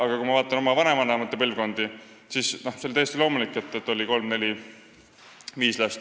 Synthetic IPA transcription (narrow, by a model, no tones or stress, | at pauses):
ɑɡ̥ɑkumɑvɑːt̪ːˑɑno̞mɑvɑnemɑnɑmɑt̪ˑːepɯlvko̞nd̪̥i | sisnoselt̪æjest̪ilo̞ːmulikːˑe̞t̪ːˑet̪ːˑo̞lʲiko̞lmne̞lʲi | viːslæst̪